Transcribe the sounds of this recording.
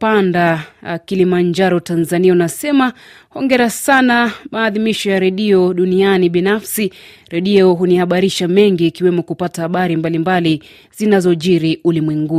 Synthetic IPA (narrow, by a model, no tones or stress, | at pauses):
pandakilimaɲd͡ʒaɾɔtanzaniaunasɛma | hɔŋɡɛɾasanamaːðimiʃɔjaɾɛɗiɔɗunianiɓinafsi | ɾɛɗiɔɦunihaɓaɾiʃamɛŋɡiːkiwɛmɔkupatahaɓaɾimbalimbali | zinazɔʄiɾiulimwɛŋɡu